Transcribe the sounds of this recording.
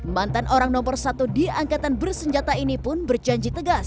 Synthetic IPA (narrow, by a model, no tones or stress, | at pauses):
mant̪anʔoɾaŋnɔmbərsat̪udiaŋkat̪anbərsəɲd͡ʒat̪ainipʊnbərd͡ʒaɲd͡ʒit̪əɡas